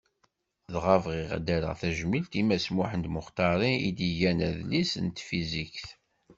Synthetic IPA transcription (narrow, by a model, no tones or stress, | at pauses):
ðʁəvʁiʁæ̰d̪æɾæ̰ʁθæʒmilt̪imæsmuħənd̪mʊχt̪ɑɾˤiḭd̪iʝænæðlisə̰nt̪fizikθ